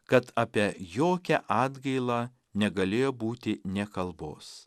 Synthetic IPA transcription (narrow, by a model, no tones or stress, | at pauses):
kɐt̪ɑːpʲiɛjoːkʲɛʔɑːd̪ɡɐɪlˠɑː | nʲɛɡɐlʲeːjoːbuːt̪ʲɪnʲɛkɐlˠbo̰ːs